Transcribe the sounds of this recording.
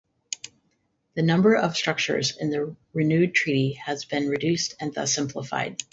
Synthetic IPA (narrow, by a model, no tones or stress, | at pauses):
ðɨnʌ̃mbə˞ʔʌv̥stɹ̥ʌk̚t͡ʃə̰˞zɨ̰̃nðɨɹɨnʉd̚tʰɹ̥iɾiɨzbɨ̃nɹɨdʉstʰɨ̃nðʌ̰sɪ̃mpʰləfa̰ɪd̥̚